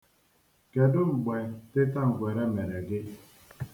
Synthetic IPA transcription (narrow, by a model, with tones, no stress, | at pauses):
ke˨dʊ˦ŋ͡m̩˨ɡ͡be˨tɪ˦ta˦ŋ̩˨ɡʷe˨ɾe˦me˨ɾe˨ɡɪ˦